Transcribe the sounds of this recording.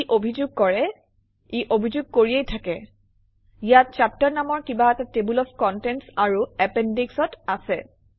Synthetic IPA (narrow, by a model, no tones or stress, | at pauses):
ʔobʱizʊɡ̚kɔɹɛ | iʔobʱizuɡ̚koɹiejtʰakɛ | ijat̚t͡ʃap̚taɹnamɔɹkibaɛtatebulɔfʰkɔntɛntsaɹuɛpendiksɔtasɛ